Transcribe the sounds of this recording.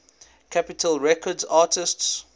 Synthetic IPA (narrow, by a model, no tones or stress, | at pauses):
kʰapɪtʰəlˠɹɛkʰɔdzɑːtɪsts